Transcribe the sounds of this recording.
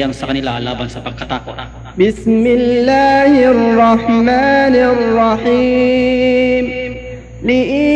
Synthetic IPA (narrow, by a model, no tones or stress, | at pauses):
jaŋsɐkɐnɪlalaːbansɐpɐɡ̚kːat̪aːkʊ | bɪsmɪlːaːhɪrːɑħmaːnɪrˤːɑħiː | m | lɪʔi